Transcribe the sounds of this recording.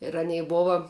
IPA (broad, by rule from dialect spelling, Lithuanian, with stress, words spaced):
ɪr ɐˈnʲɛɪ ˈboːʋɐ